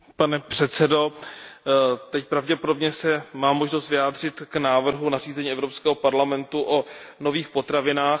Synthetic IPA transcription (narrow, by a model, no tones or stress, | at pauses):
panɛpr̝̥ɛt̪sɛdo̞ | t̪ɛc̚pɾavɟɛpo̞do̞bɲɛsɛmaːmːo̞ʒnost̪vɪjaːd̪r̝ɪt̪knaːvr̩ɦunariːzɛɲiːʔɛvɾo̞pskɛːɦopaɾlamɛnt̪uʔono̞viːxpo̞t̪ɾavɪnaːx